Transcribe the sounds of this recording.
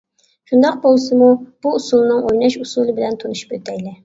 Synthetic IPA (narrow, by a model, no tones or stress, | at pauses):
ʃund̪ɑq̚bolˠsɨmub̥uːsulˠnɨŋojnɑʃusulˠɨbɪlɛnt̪ʰonuʃy̥pøt̪ʰɛjlɪ